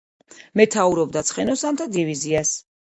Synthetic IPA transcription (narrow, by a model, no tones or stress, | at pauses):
mɛt̪ʰauɾɔbd̪at̪sʰχɛnɔsamt̪ʰad̪ivizias